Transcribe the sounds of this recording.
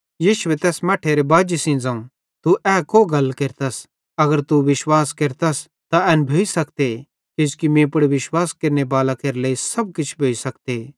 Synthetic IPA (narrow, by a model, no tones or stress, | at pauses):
jiːʃʊet̪ɛːsmɐʈʰːeɾebaːd͡ʒisĩnd͡zãũ | t̪uʔɛːkoɡɐlkeɾt̪ɐs | ɐɡəɾt̪uʋɪʃwaːskeɾt̪ɐs | t̪aɛːnbʱoːisɐkt̪e | kɪd͡ʒkimẽːp̬ɐɽʋɪʃwaːskeɾnebaːlakeɾleːisɐb̚kɪt͡ʃʰbʱoːisɐkt̪e